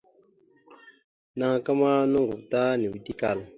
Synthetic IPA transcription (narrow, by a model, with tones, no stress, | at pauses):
na˨ŋ˨ka˦ma˦nu˦ŋɡu˨vta˦ni˨wi˨ti˦ka˨l